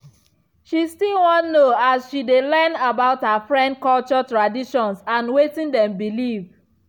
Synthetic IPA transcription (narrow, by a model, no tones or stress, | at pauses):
ʃistilwɔ̃nnoasʃidelɛnabaʊthafɹɛ̃nd̚kɔlt͡ʃɔtɹadiʃɔ̃nsãnwetĩndɛ̃mbiliv